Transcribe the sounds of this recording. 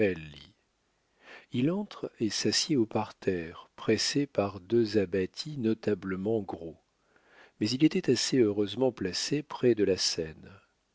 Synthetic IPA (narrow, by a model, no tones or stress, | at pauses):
ɛlːi | ilɑ̃t̪χesasjeopaʁt̪ʰɛʁpχɛsepaʁd̪øzabat̪ʰinɔt̪abləmɑ̃ɡʁo | mɛzilet̪ɛt̪aseøʁøzmɑ̃plasepχɛd̪əlasɛn